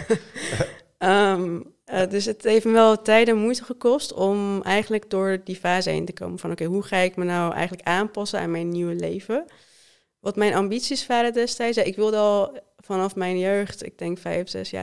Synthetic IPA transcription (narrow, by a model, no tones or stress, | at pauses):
əm | dɵsətɦejftməʋɛlˠtɛjdənmujtəχəkɔstɔmʔɛjχənləɡ̚dʊːɹdifaːzəḛjntəko̰wməfɑnowkejɦuχaːɪkmənawʔɛ̰jχən̩ləkaːmpɑsəna̰ːnmɛjnːiwəlḛjvə | ʋɑtmɛjnʔɑmbitsisfaːɾədɛstɛjtsjaːʔɪkʋɪlˠdəɑlˠfɑnɑfmɛjnjøɥχtɪ̰ɡ̚dɛŋkfɛ̰jfsɛ̰sja̰ː